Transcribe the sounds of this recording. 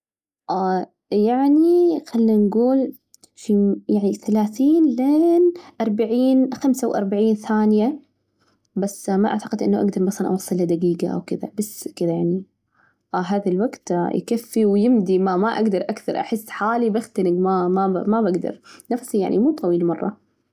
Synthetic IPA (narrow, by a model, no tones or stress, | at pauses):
ʔa | jaʕnixalːinɡuːl | fijaʕniθalaːθiːnleːnʔɑɾˤbaʕiːnxamsawʔɑ̰ɾˤbaʕiːnθaːnja | basːmaʔa̰ʕt̪aqɪd̪ʔɪnːaʔaɡd̪ɑɾˤmɑsˤlɑnʔɑ̰wɑsˤːɨlːɪd̪aɡiːɡaʔa̰wkɪða̰baskɪðajaʕni | ɦaːðalwaɡt̪jkafːiwjɪmd̪imamaʔaɡd̪ɑɾˤʔakθɑ̰ɾˤʔa̰ħɪsːħaːlibaxt̪anɪɡmamamabaɡd̪ɑ̰ɾˤnafsija̰ʕnʔḭmuːt̪ˤɑwiːlmɑrˤːɑ